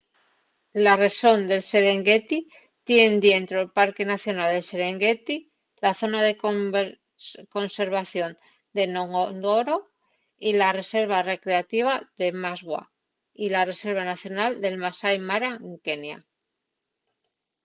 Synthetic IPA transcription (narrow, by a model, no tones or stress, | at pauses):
lare̞so̞nd̪e̞lse̞ɾe̞ŋɡe̞t̪i | t̪je̞nd̪je̞nt̪ɾoelpaɾke̞naθjo̞nald̪e̞lse̞ɾeŋɡe̞t̪i | laθo̞naðe̞ | ko̞nse̞ɾβ̞aθjo̞n | d̪e̞noŋond̪o̞ɾo̞ | ilare̞se̞ɾβ̞are̞kɾe̞at̪iβ̞aðe̞mazɣwa̰ | ilare̞se̞ɾβanaθjo̞nald̪e̞lmasajmaɾaŋke̞nja̰